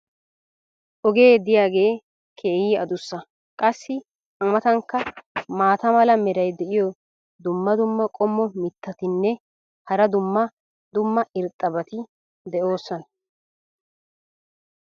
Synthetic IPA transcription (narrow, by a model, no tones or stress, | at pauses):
ʔɔɡe̞ːd̪ɪjaːɡe̞ː | kʰe̞ːhiːɐd̪ʊsːɐ | kʼɐsːɪ | ʔɐmɐt̪ɐŋkːɐmaːt̪ɐmɐlɐmɛɾɐjd̪ɛʔɪjɔ | d̪ʊmːɐd̪ʊmːɐkʼɔmːɔmɪt̪ːɐt̪ɪnːɛ | hɐɾɐd̪ʊmːɐ | d̪ʊmːɐʔɪɾt̪ʼːɐbɐt̪ɪ | d̪ɛʔo̞ːsːɔnɐ